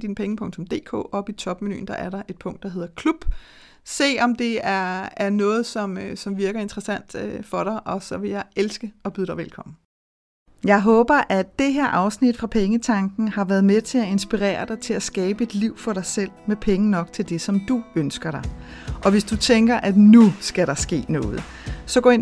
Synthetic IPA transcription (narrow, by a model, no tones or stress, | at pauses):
d̥iːnəpʰeŋəpʰɔ̽ŋt͡sʰɔ̽md̥e̝̰ːkʰɔ̰ːɒ̽b̥it͡sʰɒ̽b̥meny̰ːnd̥ɑ̈ʔæɐɾɑ̈ʔe̝d̥̚pʰɔ̽ŋ̰d̥ɑ̈ɦe̝ð̰ˠɐkʰlub̥ | se̝̰ːɒ̽md̥e̝æɐæɐnɔ̽ːð̞̩ˠsɒ̽msɒ̽mʋiɐɡ̥ɐe̝nd̥ʁɐsæn̰d̥øfɒ̽ɾ̥ɑ̈ɪʔɒ̽sɒ̽ʋe̝jɑ̈ɪelsɡ̥əɒ̽b̥yðˠɾ̥ɑɪʋelkʰɒ̽m̰n̩ | jɑ̈ɪɦɔ̽ːb̥ɐʔæd̥ːe̝ɦeɐ̰ʔɑ̈ʊsnid̥fʁɑ̈pʰeŋət͡sʰɑ̈ŋɡ̥n̩hɑ̈ʋæɐð̞ˠmet͡sʰe̝æe̝nsb̥iʁɛ̰ːɐɾ̥ɑ̈ɪt͡sʰe̝læsɡ̥ɛːb̥əe̝d̥liʊ̰fɒ̽ɾɑ̈ɪsel̰mepʰeŋənɒ̽ɡ̥t͡sʰe̝ld̥e̝sɒ̽md̥uønsɡ̥ɐɾ̥ɑ̈ɪ | ʔɒ̽ʋe̝sd̥ut͡sʰeŋɡ̥ɐʔæd̥nusɡ̥æɾɑ̈sɡ̥e̝̰ːnɔ̽ːð̩ˠ | sɒ̽ɡ̥ɔ̰ːen